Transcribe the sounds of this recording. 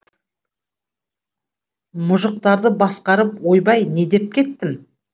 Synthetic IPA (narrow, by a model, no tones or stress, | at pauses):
mʊʒʊq̚t̪ɑɾd̪əbɑsqɑɾəpwo̞jbɑjne̞d̪e̞p̚kʲʰe̞t̪ːɪm